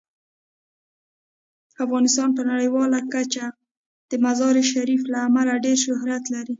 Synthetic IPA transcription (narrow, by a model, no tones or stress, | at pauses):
afɣɑnɪst̪ɑnpənaɽəjwɑlakat͡ʃa | d̪̥əmazɑɾeʃaɾiflaːmalaɖeɾʃʊɦɾat̪laɾi